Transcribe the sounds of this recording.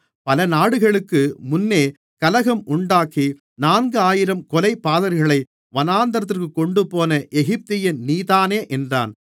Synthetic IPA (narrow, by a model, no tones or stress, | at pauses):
pɐlɐnaːɽɯɣɐɭɯkːɯmʊnːeː | kɐlɐɣɐmʔʊɳɖaːkːi | naːnɡɯaːjɪɾɐmkɔlɐɪpːaːðɐɾɣɐɭɐɪ | ʋɐnaːnd̪ɐɾɐt̪̬ːɪrkɯkːɔɳɖɯpoːnɐʔɛɣɪp̚t̪ɪjɪnniːðaːneːʔɛndra̰ːn